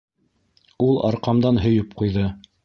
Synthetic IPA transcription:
ulˠɑ̰ɾqɑmd̪ɑnɦɵ̆jɵpqujðɤ

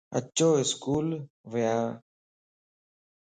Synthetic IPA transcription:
ə̰t͡ʃːoːɪskuːl | ʋəjaː

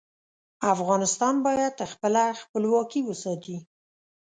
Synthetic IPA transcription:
afɣɑnɪst̪ɑnbɑjad̪̚xpəlaxpəlwɑkiwəsɑt̪i

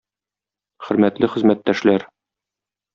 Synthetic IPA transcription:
χɵ̆ɾmæt̪lɘχɘ̆zmæt̪ːæʃlæɾ

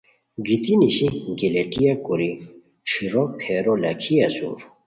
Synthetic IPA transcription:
ɡit̪iniɕiɡileʈijakuɾi | ʈ͡ʂʰiɾopʰeɾolɐkʰiɐsṵːɾ

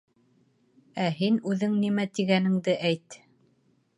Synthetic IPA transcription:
æɦinʉðɘŋnimæt̪iɡænɘ̆ŋd̪ɘʔæjt̪

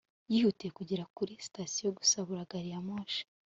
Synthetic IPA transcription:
jihutijekuɟiɾakuɾisi̥tasijoɡu̥saβuɾaɡaɾijamoːʃḁ

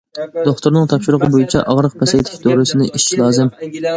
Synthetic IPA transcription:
d̪̥oχt̪ʰʊɾnɨŋt̪ʰɑpʃɪɾəqʰəbojit͡ʃʰɛ̰ʔɑʁɾəq̚pʰɛsejt̪ʰɪ̥ʃʲd̪oɾɨsɪnɪʔiʃʃlˠɑːzɨm

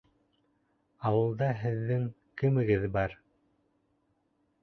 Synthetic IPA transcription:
ɑwɤ̆lˠd̪ɑɦɘ̆ðːɘŋ | kɘ̆mɘ̆ɡɘðbɑɾ

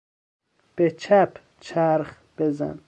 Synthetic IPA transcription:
b̥et͡ʃʰæp | t͡ʃʰaɾχ | b̥eza̰n

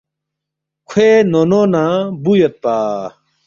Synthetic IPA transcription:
kʰwenononãbujɐt̪̚paː

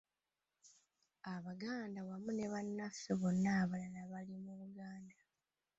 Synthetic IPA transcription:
aβaɡaːndawamune̞βanːafeβo̞nːaːβalanaβalimuβuɡaːnda

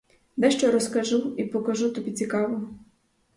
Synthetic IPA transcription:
d̪ɛʃt͡ʃɔɾɔskɐʒuipɔkɐʒut̪ɔbʲit͡sʲikɑʋɔ

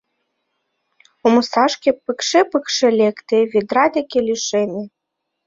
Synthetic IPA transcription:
omɤ̆sɑʃkʲepɨkʃepɨkʃelʲekt̪ĕβed̪ɾɑd̪ekʲelʲiʃenʲĕ

